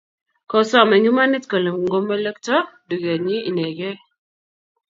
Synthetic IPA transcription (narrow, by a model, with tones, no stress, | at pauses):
kɔ˨sɔ˦˨mɛ˨ɲu˦ma˦ni˦tkə˨lə˨mŋ˦ɡo˦mːe˦lə˦ktɔ˦du˨ɡa˨ɲi˦i˨nɛ˨ɡɛ˦